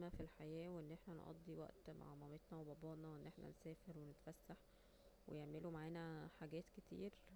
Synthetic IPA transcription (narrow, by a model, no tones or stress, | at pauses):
mæfilħajæːweʔenːʔeħnænʔɑ̰d̪ˤːiwæ̰ʔt̪ma̰ʕmɑmet̪nɑwebɑbɑːʔnɑweʔenːʔeħnæ̰nsæːfeɾwenet̪fæsːaħ | wḛjeʕmelumaʕaːnæħaɡæːt̪ket̪ʰḭːɾ